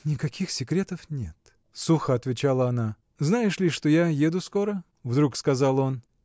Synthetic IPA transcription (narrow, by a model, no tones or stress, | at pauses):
nʲɪkɐkʲixsʲɪkɾʲet̪əfnʲḛt̪ | suxəɐt̪vʲɪt͡ɕalˠəɐna | znajɪʂlʲɪʂt̪o̞jajed̪ʊsko̞ɾə | vd̪ɾukskɐzalˠo̞n